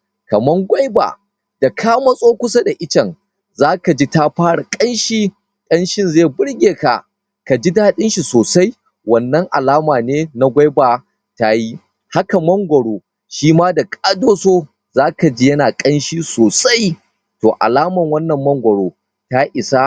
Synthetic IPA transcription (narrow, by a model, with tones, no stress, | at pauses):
kɐ˨mɐ˦ŋɡʷɐ˦jba̰ː˨ | d̥a˨kʰaː˦ma˦sʼoː˦kʷʊ˦sa˦da˨ʔɪ˦t͡ʃɐ˨ŋ | zaː˦ka˨d͡ʒi˦ta˦ɸaː˦ɽa˨kʼɐ˦nʃiː˦ | kʼɐ˦nʃɪ˦nze˦˨bʊ˦ɽɡʲeː˨ka̰˨ | ka˨d͡ʒi˦da˦ɗɪ˦nʃi˨soː˨sa˦j | wɐ˨nːɐ˦ŋʔa̰˨laː˦maː˨neː˦na˦ɡʷa˦jbaː˨ | ta˦ji˦ | ha˦ka˨mɐ˦ŋɡʷɐ˨ɽoː˦ | ʃiː˦maː˦da˨kʼaː˦doː˦soː˦ | zaː˦ka˨d͡ʒi˦jɐ˦naː˨kʼɐ˦nʃiː˦soː˨sa˦j | toː˨ʔa̰˨laː˦mɐ˨ŋwɐ˦nːɐ˨mːɐ˦ŋɡʷɐ˨ɽoː˦ | ta˦ʔɪ˨sa˦